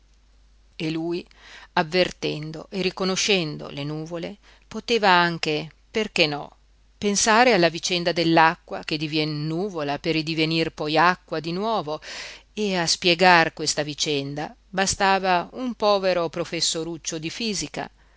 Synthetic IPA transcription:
eluːj | avːert̪ɛnd̪o̰ʔerikonoʃɛnd̪o̰lenuːvole | pot̪eːvaaŋk̟e | perk̟enːɔ̰ | pensaːɾealːavit͡ʃɛnd̪ad̪elːakːwak̟ed̪ivjɛnːuːvolaperid̪ivenirpɔjakːwad̪inwɔːvoeaspjeɡarkwest̪avit͡ʃɛnd̪a̰ | bast̪aːvaumpɔːveɾopɾofesːoɾut͡ʃːod̪ifiːzika̰

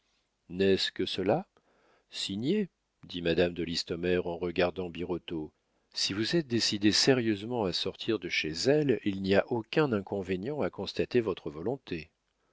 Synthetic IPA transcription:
nɛskəsəla | siɲje | d̪imad̪amd̪əlist̪ɔmɛʁɑ̃ʁəɡaʁd̪ɑ̃biʁɔt̪o | sivuzɛt̪̚d̪esid̪eseʁjøzmɑ̃asɔʁt̪ʰiʁd̪əʃezɛlilniaʔokʲɛ̃nɛ̃kɔ̃veɲjɑ̃akɔ̃st̪at̪evɔt̪χəvɔlɔ̃t̪ʰe

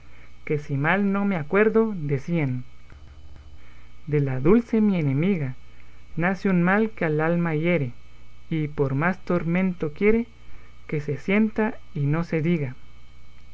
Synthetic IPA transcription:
ke̞simalno̞meakwe̞ɾðod̪esian | d̪e̞laðulse̞mienemiɣanasjunmalkealalmaje̞ɾeipo̞ɾmast̪o̞ɾmẽ̞nt̪o̞kje̞ɾe | ke̞se̞sje̞nt̪a | ino̞se̞ðiɣa

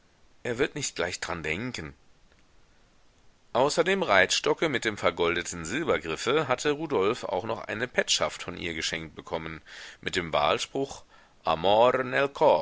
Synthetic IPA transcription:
ʔeːɐvɪɐtnɪçt̚ɡ̥laɪçd̥ʁandɛŋkən | ʔaʊsɐdeːmʁaɪtʃtɔkəmɪt̚d̥eːmfɛɐɡɔldətn̩zɪlbɐɡʁɪfəɦatʰəʁuːdɔlfa̰ʊxnɔχʔa̰ɪnəpʰɛtʃaftfɔnʔḭːɐɡəʃɛŋkt̚b̥əkʰɔmənmɪt̚d̥eːmva̰ːlʃpʁ̥ʊχ | ʔa̰mɔʁnɛlkʰɔ

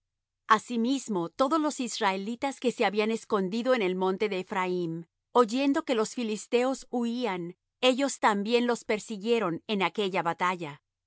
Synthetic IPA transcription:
asimizmo̞t̪o̞ðo̞zlo̞sizrae̞lit̪aske̞se̞aβiane̞sko̞nd̪iðo̞ene̞lmõ̞nt̪e̞ðe̞ːfɾaim | o̞ʝe̞nd̪o̞ke̞lo̞sfilist̪e̞o̞suian | e̞ʝo̞st̪ambje̞nlo̞spe̞ɾsiɣje̞ɾo̞ne̞nake̞ʝaβat̪aʝa

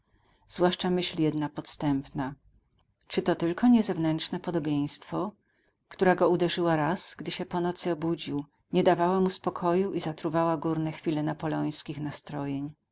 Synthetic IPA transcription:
z̥vwaʂt͡ʂamɘɕlʲjɛd̪napɔt̪st̪ɛmpna | t͡ʂɘt̪ɔt̪ɘlkɔɲɛzɛvnɛntʂnɛpɔd̪ɔbʲjej̃st̪fɔ | kt̪uɾaɡɔud̪ɛʐɘwaɾasɡd̪ɘɕɛpɔnɔt̪sɘɔbud͡ʑiw | ɲɛd̪avawamuspɔkʰɔjuʔizat̪ɾuvawaɡuɾnɛxfʲilɛnapɔlɔj̃skʲixnast̪ɾɔjeɲ

